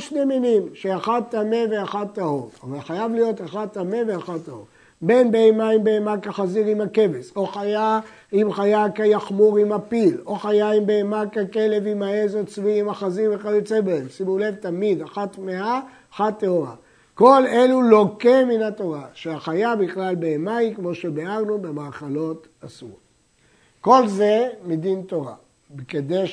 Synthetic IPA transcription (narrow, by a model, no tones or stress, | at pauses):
ʃne̞minimʃeaχad̚tːame̞ve̞aχatt̪ːahoʁavalχajavlijo̞taχatt̪ːame̞veaχattːaho | be̞nbeemaimbeemakaχaziʁimhake̞veso̞χaja | imχajakajaχmuʁimapilo̞χajaimbeemakakele̞vimaezot͡sviimaχaziveχaot͡sebeemsimule̞vtamid̪aχat̪mea | χat̪ːeoʁa̰ | ko̞le̞luloke̞minat̪o̞ʁaʃeaχajabiχlalbeemaikmo̞ʃebeaʁnubemaːχalo̞t | asṵʁ | ko̞lzemid̪into̞ʁa | beked̪e